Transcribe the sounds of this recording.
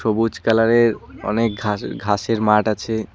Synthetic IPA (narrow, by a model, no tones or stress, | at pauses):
ʃobud͡ʑkalaɾeɾɔ̰nek̚ɡʱaɡʱaʃeɾmaʈat͡ɕʰe